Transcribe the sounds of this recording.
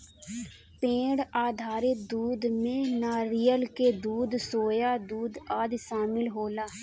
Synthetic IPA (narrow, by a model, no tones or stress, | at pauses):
pẽːɽaːd̪ʱaːɾɪk̚d̪uːd̪mẽːnaːɾijəlkeːd̪uːd̪soːjaːd̪uːd̪aːd̪ʃaːmɪlɦoːlaː